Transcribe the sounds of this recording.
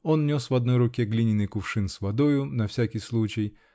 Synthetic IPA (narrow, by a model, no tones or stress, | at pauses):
onnʲosvɐd̪̚nojɾʊkʲeɡlʲinʲɪnɨjkʊfʂɨnsvɐd̪ojʊnɐfsʲakʲijslˠut͡ɕɪj